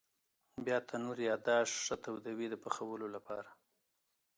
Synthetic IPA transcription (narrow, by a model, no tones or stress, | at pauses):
bjɑt̪ʰanuɾjɑd̪ɑʂːət̪awd̪awid̪əpaxawəlolapʰɑɾa